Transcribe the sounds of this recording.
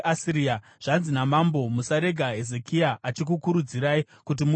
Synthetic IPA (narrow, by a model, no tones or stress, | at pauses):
ʔasiɾia | ʐ̥anzinamambo̞musaɾe̞ɡʱaɦe̞ze̞kiaʔat͡ʃik̬ukuɾud͡ziɾai | kut̬imu